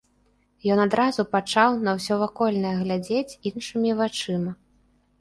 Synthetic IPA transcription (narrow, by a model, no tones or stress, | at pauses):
jɔnad̪ɾazupat͡ʂawnɐwsʲɔvakɔlʲnɐjɐɣlʲad͡zʲet͡sʲinʂɨmʲivat͡ʂɨmɐ